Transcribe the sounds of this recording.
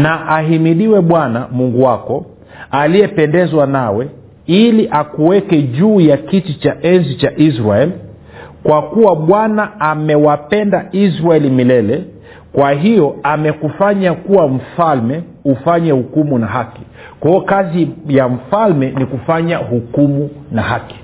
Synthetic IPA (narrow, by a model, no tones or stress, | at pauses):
naʔaɦimiɗiwɛɓwanamuŋɡuwakɔ | alijɛpɛndɛzwanawɛ | iliʔakuwɛkɛʄuːjakitit͡ʃaʔɛnzit͡ʃaʔizɾaɛli | kwakuwaɓwanaamɛwapɛndaisɾaɛlimilɛlɛ | kwaɦijɔamɛkufaɲakuwam̩falmɛ | ufaɲɛhukumunaɦaki̥ | kwaɔkazijam̩falmɛnikufaɲahukumunaɦaki̥